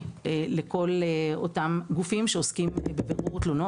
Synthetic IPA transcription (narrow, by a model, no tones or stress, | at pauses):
eleko̞lotamɡufimʃeoskimbebeʁuʁtlono